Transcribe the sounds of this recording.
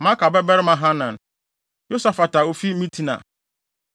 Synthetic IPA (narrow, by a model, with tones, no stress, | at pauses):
mã˦ka˨bɛ˦bɛ˦ɾɪ˦mã˨ɦã˦nã˨n | jo˦sa˨fa˨ta˨o˨fi˦mĩ˦tʰi˦nã̰˨